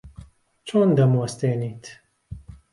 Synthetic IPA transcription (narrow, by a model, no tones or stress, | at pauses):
t͡ʃʰond̪ɐmost̪eːniːt̪